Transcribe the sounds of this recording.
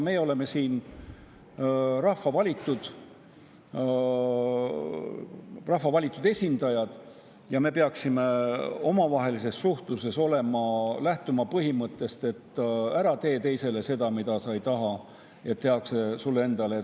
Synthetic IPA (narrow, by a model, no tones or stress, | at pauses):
me̞jeo̞le̞me̞siːn | rɑhvɑvɑlʲit̪ˑːud̪̥ | rɑhvɑvɑlʲit̪ːˑud̪̥e̞sʲind̪̥ɑjɑd̪̥ | jɑme̞peɑksime̞o̞mɑvɑɦe̞lis̬e̞sːuht̪luse̞so̞le̞mɑlæht̪umɑpɤɦimɤt̪ːˑe̞st̪e̞t̪ːæɾɑt̪e̞ːt̪e̞jse̞le̞se̞d̪̥ɑmid̪ɑsɑjt̪ɑɦɑ | e̞t̪ːeɑkse̞sulːe̞nd̪ɑle